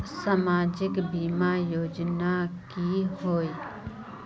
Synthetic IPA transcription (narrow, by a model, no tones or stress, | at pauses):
samaːd͡ʒɪkbiːmajoːd͡ʒnakiɦoːi